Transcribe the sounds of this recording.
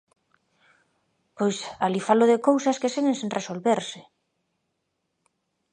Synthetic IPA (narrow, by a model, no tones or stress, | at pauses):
pojsalifaloðekowsɐskeseŋensiŋnresolβeɾsɪ̥